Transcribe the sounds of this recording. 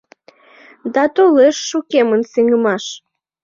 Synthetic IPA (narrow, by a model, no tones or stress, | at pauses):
d̪ɑt̪oleʃːukemənseŋəmɑʃ